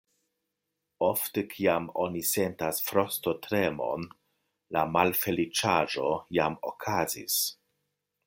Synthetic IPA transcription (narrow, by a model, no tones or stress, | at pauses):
o̞ftekʰiamo̞nisentasfɾo̞stotɾemo̞̰n | lamalfe̞lit͡ʃaʒo̞jamokʰazḭs